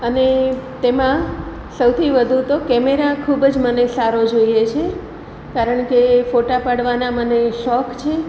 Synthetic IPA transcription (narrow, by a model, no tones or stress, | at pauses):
ənet̪emã | səwt̪ʰiʋəd̪ʱut̪okɛmeɾakʰubd͡ʒmənesaɾod͡ʒoiet͡ʃʰe | kaɾəɳkefoʈapaɽʋanaməneʃɔkt͡ʃʰe